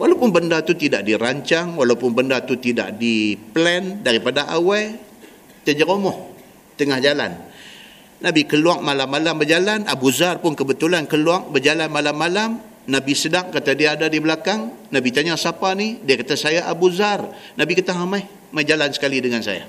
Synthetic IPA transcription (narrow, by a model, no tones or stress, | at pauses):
walawpʊnbəndat̪ut̪idaʔ̚diraɲt͡ʃaŋwalawpʊnbəndat̪ut̪ida̰ʔdiplɛndaɾipadaʔawaj | t̪əd͡ʒəɾomɔh | t̪əŋahd͡ʒala̰n | nabikəluaʔmalamːalambərd͡ʒalana̰buzarpʊnkəbət̪ulankəluaŋ̚bərd͡ʒalanmalamːalam | nabisədaŋkat̪adiaːdadibəlakaŋ | nabit̪aɲasapanidiakat̪asajaʔabuzar | nabikət̪aɦamai | mad͡ʒalansə̥kalidəŋansa̰ja̰